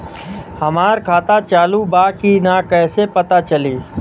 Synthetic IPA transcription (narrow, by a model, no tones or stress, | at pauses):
həmaːɾkʰaːt̪at͡ʃaːlubaːkinakɛːsepət̪at͡ʃəliː